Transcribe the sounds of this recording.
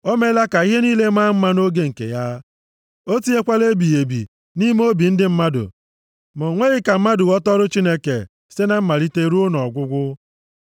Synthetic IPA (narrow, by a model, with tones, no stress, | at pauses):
ɔ˦me˦la˦ka˨i˦ɦe˦niː˦le˦ma˦m̩˦ma˦no˦ɡe˦ŋ̩˨kḛ˨ja˦ | o˦ti˦e˦kʷa˦le˦bi˨je˨bḭ˨ | ni˦m˦o˦bi˨n̩˦dɪ˦m̩˦ma˦dʊ̰˨ | mɔ˨ŋʷe˦ɣɪ˦ka˨m̩˦ma˦dʊ˨ɣɔ˦tɔ˦ɾʊ˦t͡ʃi˦ne˦ke˨ | se˦na˨m̩˦ma˨ɾi˦te˦ɾu˦ʊ˦nɔ˨ɡʷʊ˦ɡʷʊ˦